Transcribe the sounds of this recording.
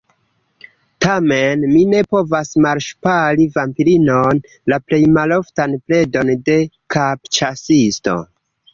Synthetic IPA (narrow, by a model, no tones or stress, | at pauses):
tame̞nmine̞po̞vasmaɾʃpalivampiɾinon | laple̞jmalo̞ftanple̞do̞nde̞ | kapt͡ʃasisto̞̰